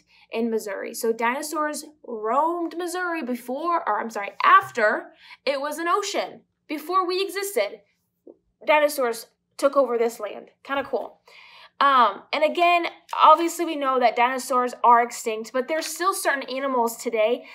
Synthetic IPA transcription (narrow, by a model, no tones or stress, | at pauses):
ʔɪ̃nmɨzʉ̰ɹḭsoʊdãɪ̃nɨsɔɹzɹõʊ̃mdmɨzʉɹibɨfɔɹə˞ãɪ̃msɑɹiʔæftə˞ɪt̚wʌzɨ̃noʊʃɨ̃n | b̥ɨfɔɹwiɨɡzɪstɪd̚ | dãɪ̃nɨsɔɹz̥ | tʰʊkoʊvə˞ðɪslæ̰̃nd̥kʰãɪ̃ndəkʰṵlˠ | ʌ̃ɨ̃nɨɡɛ̃nɑbviɨsliwinoʊðɨt̚d̥ãɪ̃nɨsɔɹzə˞ɨkstɪ̃ŋk̚t̚b̥ʌt̪̚ðə˞stɪlˠsɜ˞ʔn̩ænəml̩ˠz̥tʰɨdeɪ